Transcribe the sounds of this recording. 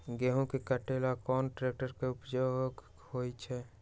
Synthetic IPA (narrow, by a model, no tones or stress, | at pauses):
ɡeɦũkekəʈelakɔːnʈɾeːk̚ʈəɾkeʊpd͡ʒoɡ | hojt͡ʃʰɛ